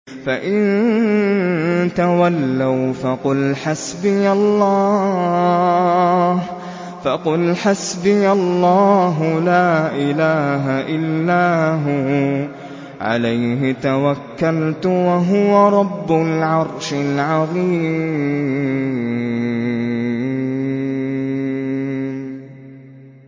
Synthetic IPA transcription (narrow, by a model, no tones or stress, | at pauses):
faʔɪn | t̪awalːawfɑqʊlħasbɪjalːɑː | h | fɑqʊlħasbɪjalˤːɑːɦʊlaːʔɪlaːɦaʔɪlːaːɦʊ | ʕa̰lajɦɪt̪awakːalt̪waɦʊwaɾˤɑbːʊlʕɑɾˤʃɪlʕɑðˤiːmm